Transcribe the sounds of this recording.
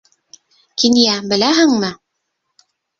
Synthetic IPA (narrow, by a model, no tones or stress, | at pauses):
kinjæbɘ̆læɦɘŋmɘ